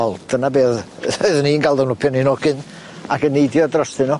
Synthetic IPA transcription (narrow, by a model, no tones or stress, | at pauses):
ɔlˠd̥ənabeːðoɨðninɡalˠdɔwnʊpʰɛninɔɡɨn | akənːejdjɔadrəsɨnɔ